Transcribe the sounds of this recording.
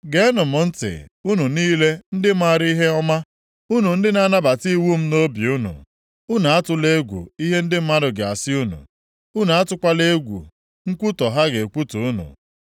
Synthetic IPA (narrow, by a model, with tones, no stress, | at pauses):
ɡe˦nʊ˨mʊ˨n̩˦tɪ̰˨u˦nu˨niː˦le˦n̩˦dɪ˦ma˦˨ɾi˦ɦe˦ɔ˦ma˦ | u˦nu˨n̩˦dɪ˦na˦na˦ba˨ti˦wu˦m̩˦no˦bi˨u˦nṵ˨ | u˦na˨a˦tʊ˨le˦ɡʷṵ˨i˦ɦe˦n̩˦dɪ˦m̩˦ma˦ɾʊ˨ɡe˨a̰˨sɪ˦u˦nṵ˨ | u˦nu˨a˦tʊ˦kʷa˦le˦ɡʷṵ˨ | ŋ̩˦kʷu˦tɔ˨ɦa˦ɡe˨kʷu˦tu˨u˦nṵ˨